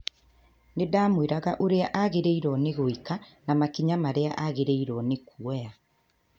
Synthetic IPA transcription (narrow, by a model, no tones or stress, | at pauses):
nedaːmweɾaɣaʔoɾeaʔaɣeɾeiɾɔneɣoikanamakiɲamaɾeaʔaɣeɾeiɾɔnekuɛja